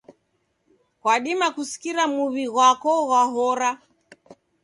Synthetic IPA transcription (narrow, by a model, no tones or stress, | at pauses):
kwaɗimakusi̥kiɾamuβiɣwakɔɣwaɦɔɾa